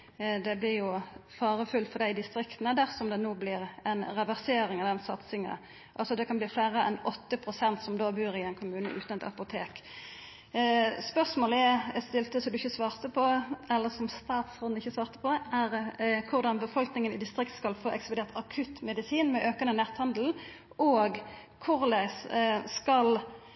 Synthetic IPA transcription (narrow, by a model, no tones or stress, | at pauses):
d̪ɛblɪʁjʊfɑːʁəfʉlt̪fɔʁd̪æɪd̪ɪst̪ʁɪkt̪nəd̪æːʁsɔmd̪ɛnuːblɪɾɛnʁɑʋæʁseːɾɪŋɑd̪ɛnsɑt̪sɪŋə̰ | ʔɑlsɔd̪ɛkɑnbliːflæːʁəɛnɔt̪ːəpʰʁʊsɛnt̪sɔmd̪oːbʉːʁɪɛɪnkʰʊmʉːnə̰ʔʉ̰ːt̪ənɛt̪ɑ̰pʊt̪ʰeːk | spœʁsmoːləɛst̪ɪlt̪əsɔmd̪ʉɪçːəsʋɑːʁt̪əpʰɔɛlːəsɔmst̪ɑːt̪sʁɔnɪçːəsʋɑːʁt̪ə̥pʰɔd̪ɛʔæʁkʰʊʁd̪ɑnbəfɔlknɪŋənɪd̪ɪst̪ʁɪkt̪skɑlfoːʔɛksplʊd̪eːʁt̪ɑkʰʉt̪ːmɛd̪ɪsiːnmɛʔøːkənənɛt̪hɑnd̪l̩ | ʔoːɡ | kʰʊʁlæɪsskɑl